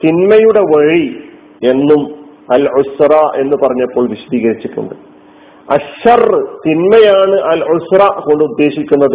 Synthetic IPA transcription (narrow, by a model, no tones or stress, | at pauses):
t̪inmɐjuɽeʋɐɻi | e̞nːum | ɐlʕusraːʔe̞nːɨpɐrɐɲːɐpːo̞ːɭʋiɕɐd̪iːɣɐɾit͡ɕːiʈːṵɳɖɨ | ɐɐrt̪inmɐjaːɳɨʔɐlʕʊsrɐko̞ɳɖɨud̪ːe̞ːɕikʲːunːɐðɨ